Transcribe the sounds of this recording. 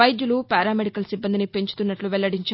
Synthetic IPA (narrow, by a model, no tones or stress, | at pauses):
ɐjd̪julupaːɾaːmeɽikɐlsibːɐnd̪inipe̞ɲt͡ʃu̥t̪unːɐʈluʋɛlːɐɽiɲt͡ʃa